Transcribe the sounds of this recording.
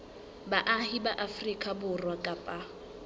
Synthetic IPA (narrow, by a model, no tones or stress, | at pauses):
baʔahibaʔafrikʼabʊrwakʼapʼa